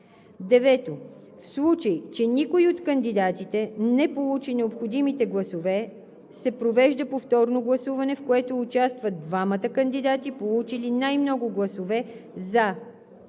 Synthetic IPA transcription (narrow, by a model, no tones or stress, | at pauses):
d̪ɛvɛt̪o | fslˠut͡ʃəjt͡ʃɛnikoiot̪kənd̪id̪at̪it̪ɛnɛpolˠut͡ʃinɛopxod̪imit̪ɛɡlˠɐsovɛ | sɛpɾovɛʒd̪əpoft̪ɔɾnoɡlˠɐsuvɐnɛfkoɛt̪oːt͡ʃast̪vɐd̪̚d̪vamət̪əkɐnd̪id̪at̪ipolˠut͡ʃilinajmnɔɡʊɡlˠɐsovɛza